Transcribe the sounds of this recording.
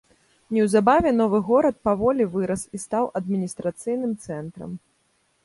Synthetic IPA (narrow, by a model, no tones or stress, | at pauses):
nʲɛwzabavʲɛn̪ɔvɨɣɔɾɐt̪̚pavɔlʲivɨɾɐsist̪awʔɐd̪mʲinʲist̪ɾat̪sɨjnɨmt̪sɛnt̪ɾɐ̰m